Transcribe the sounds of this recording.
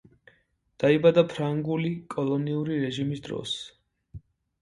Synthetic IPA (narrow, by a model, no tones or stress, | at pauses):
d̪̥aibad̪apʰɾaŋɡulikʼɔlˠɔniuɾiɾɛʒimisd̪ɾɔ̰s